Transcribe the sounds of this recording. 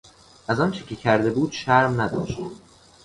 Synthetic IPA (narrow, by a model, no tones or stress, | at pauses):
ʔæzɒnt͡ʃʰecʰecʰæɾd̪e̞buːd̪̥ʃæɾmnæd̪ɒ̰ːʃt̪